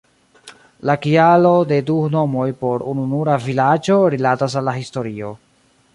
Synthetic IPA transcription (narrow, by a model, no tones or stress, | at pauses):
lakialo̞de̞duno̞mo̞jpo̞ɾununuɾavilad͡ʒo̞ɾilatas̬alːaɦisto̞ɾio̞̰